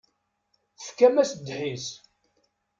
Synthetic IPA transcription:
θəfkːæmæsd̪ħis

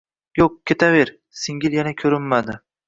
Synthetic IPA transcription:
joq̚kʲʰe̞t̪ʰaveɾ | sɪŋɡʲɪljanakʲʰɵɾɪmːad̪ɪ

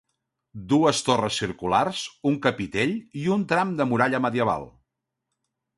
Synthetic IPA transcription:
d̪uəst̪orəsːiɾkularzuŋkəpit̪eʎiunt̪ɾamd̪əmuɾaʎəməðiəβ̞a̰lˠ

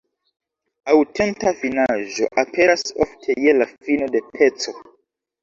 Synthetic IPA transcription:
awte̞ntafinaʒo̞̰ʔapʰe̞ɾaso̰ftʰe̞jelafino̞de̞pʰe̞t͡so̞

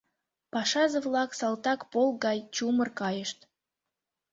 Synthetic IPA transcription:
pɑʃɑzəvlɑksɑlt̪ɑkpolˠɡɑjt͡ɕumərkɑjəʃt̪

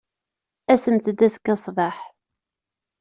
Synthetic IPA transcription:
æsəmt̪əd̪æskːɑsˤvɑħ

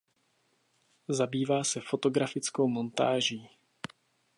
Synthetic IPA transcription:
zabiːvaːsɛfo̞t̪o̞ɡɾafɪt͡sko̞wmo̞nt̪a̰ːʒiː

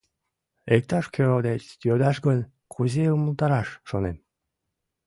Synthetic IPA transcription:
ek̚t̪ɑʃkʰʲøɾod̪et͡ɕt̪jød̪ɑʃɡənʲ | kʰuzeuməlt̪ɑɾɑʃːonem

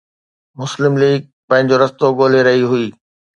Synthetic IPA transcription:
mʊslɪmliːɡ̚ | pɐ̃ɦɪ̃ɲ̆d͡ʑoɾɐst̪oɠoːl̤eɾɐɦiɦʊiː

